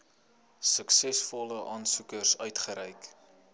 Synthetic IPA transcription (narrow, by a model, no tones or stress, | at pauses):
səksɛsfɔləʔɑːnsukərsœɥtχəɾɛjk